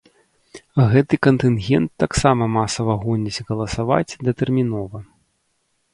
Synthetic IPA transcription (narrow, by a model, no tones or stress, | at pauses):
ɣɛt̪ɨkɐnt̪ɨnɣʲɛnt̪ːaksamɐmasɐvɐɣɔnʲit͡sʲɣɐlˠɐsava̰t͡sʲd̪ɐt̪ɛrmʲin̪ɔvɐ